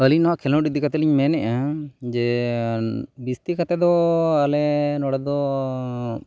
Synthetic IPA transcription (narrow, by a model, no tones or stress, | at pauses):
əlinɔwaʔkʰɛlɔɖid̪ikat̪ɛliɲmɛnɛʔad͡ʒɛ | bist̪ikat̪ɛd̪ɔalɛnɔɽɛd̪ɔ